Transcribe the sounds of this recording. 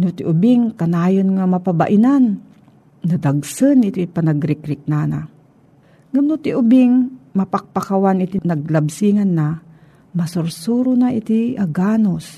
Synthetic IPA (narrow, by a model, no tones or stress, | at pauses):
nʊt̪ɪʔʊbiŋkɐnaːjonŋamɐpaba̰ʔɪnanː | ad̪aɡsɨnɪt̪ipanɐɡɾɪkɾɪk̚naːna̰ | ŋamnʊt̪ɪʔʊbɪŋmɐpak̚pakawanɪt̪inɐɡ̚labsiŋanːa | mɐsʊɾsuːɾʊnaʔɪt̪iaɡaːnos